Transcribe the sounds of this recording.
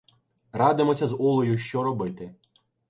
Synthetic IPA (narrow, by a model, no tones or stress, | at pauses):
ɾɑd̪ɪmɔsʲɐzulˠɔjʊʃt͡ʃɔɾɔbɪt̪ɪ